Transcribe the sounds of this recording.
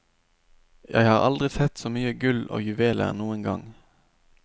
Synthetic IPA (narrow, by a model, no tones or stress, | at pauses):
jʔæ̰ɪhɑːʁɑld̪ʁɪsɛt̪soːmyːəɡʉlo̰ːjʉʋeːlʔə̰ʁnuːənɡɑŋ